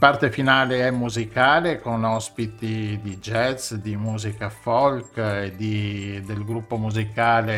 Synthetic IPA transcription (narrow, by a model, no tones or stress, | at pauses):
part̪efinaːleɛmːuzikaːlekonɔspit̪id̪id͡ʒɛt̪sd̪imuːzikafɔlked̪id̪elɡɾupːomuzikaːle